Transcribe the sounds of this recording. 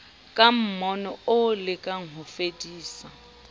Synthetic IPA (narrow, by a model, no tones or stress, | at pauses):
kʼam̩mɔnɔʊlɪkʼaŋ̩ɦʊfedʼiːsa